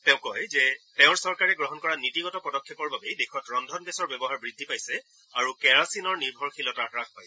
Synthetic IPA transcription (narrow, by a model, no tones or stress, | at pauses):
tɛ̃ʊ̃kɔjzɛtɛʊ̃ɹsɔɹkaɹɛɡɹɔɦɔnkɔɹanitiɡɔtɔpɹɔdɔkʰːɛpɔɹbabejdexʰɔtɹɔndʱɔnbɛsɔɹbjɛbɔɦaɹbɹidʱːipajsɛ | aɹukɛɹasinɔɹniɹbʱɔɹxʰilɔtaakɹãtpaj